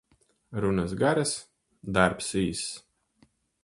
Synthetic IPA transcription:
ɾunasɡaɾas | d̪aɾpsiːs

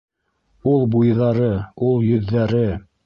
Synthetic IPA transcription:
ulˠbujðɑɾɤulˠjɵ̆ðːæɾɘ

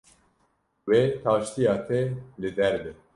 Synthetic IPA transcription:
wet̪ʰaːʃt̪ijɑːt̪ʰɛlɨd̪ɛɾbɛ

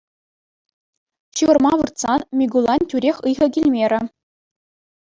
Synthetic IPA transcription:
ɕɯʋɤ̆rmɑʋɯrt̪sɑnmʲiɡulˠɑnʲtʲyɾʲexʲɯjʁɤ̆kʲilʲmʲeɾʲɘ̆

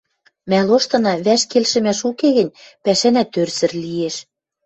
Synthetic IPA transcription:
mæloʃt̪ɤ̆nɑβæʃkelʃɘ̆mæʃukeɣɘ̆nʲpæʃænæt̪ːørsɘ̆rlieʃ

